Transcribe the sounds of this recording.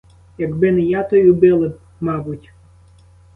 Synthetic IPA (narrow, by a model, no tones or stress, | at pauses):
jɐɡbɪnɪjat̪ɔjʲubɪlˠɪ | mɑbʊtʲ